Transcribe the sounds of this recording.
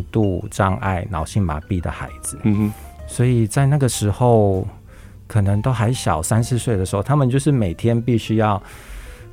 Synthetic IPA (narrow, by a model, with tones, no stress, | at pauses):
t̪u˥˩ʈ͡ʂɑ˥ŋa̰˥˩ɪnɑ˨˩ʊɕi˥˩ŋma̰˨˧˦pi˥˩d̪ə̰˩xa̰˧˥ɪd͡zɹɨ˨swɔ˧˥i˨˩t͡sa˥˧ɪna˥˩ɡə˩ʂɻ̩˧˥xo˥˨˩ʊ | kʰɤ˨˩nə˧˦ŋt̪o˥ʊxa˧˥ɪɕjɑ˨˩ʊsa˥nsɹ̩˥˧swe˥˩ɪdə˩ʂɻ̩˧˥xo˥˩ʊt̪ʰa˥mə˨nt͡ɕjo˥˧ʊʂɻ̩˥˩me˨˩ɪt̪ʰjɛ˦˥npi˥˩ɕy˥jɑ˥˩ʊ